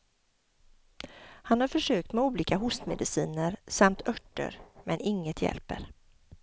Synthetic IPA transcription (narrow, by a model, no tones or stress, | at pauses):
hanhaɾfœʂøːk̚t̪mɛuːliːkaɦʊst̪mɛd̪ɪsḭːnəɾsamt̪ʰœʈːə̰ɾmɛnɪŋːət̪ʰjɛ̰lpə̰ɾ